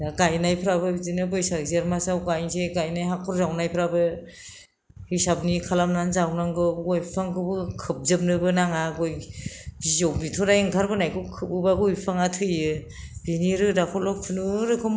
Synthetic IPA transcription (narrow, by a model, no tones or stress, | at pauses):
daɡajnajpʰɾabɯbizinɯbɯjsaɾzeɾmasawɡajnzeɡajnajɦakʰɔɾzawnajpʰɾabɯ | hisab̚nikʰalamnanzawnaŋɡɯɔjpʰaŋɡɯbɯkʰɯp̚zɯp̚nɯbɯnaŋaɡɔjbizɔwbitʰɔɾajeŋkʰaɾbɯnajkʰɯkʰɯp̚ubaɡujpʰaŋatʰɯjɯ | biniɾɯdakʰɔlɔk̚pʰunuɾɯkʰɯm